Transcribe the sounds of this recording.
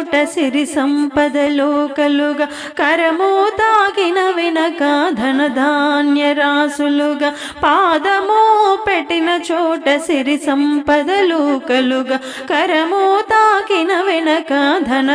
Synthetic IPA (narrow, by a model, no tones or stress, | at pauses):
ʈɐsiɾisɐmpɐd̪ɐloːkɐluɡɐ | kɐɾɐmoːt̪aːɡinɐʋinɐkɐd̪ʱɐnɐd̪ʱaːnjɐɾaːsuluɡɐ | paːd̪ɐmoːpeʈːinɐt͡ʃɔːʈɐsiɾisɐmpɐd̪ɐloːkɐluɡɐ | kɐɾɐmoːt̪aːɡinɐʋɛnɐkɐd̪ʱɐnɐ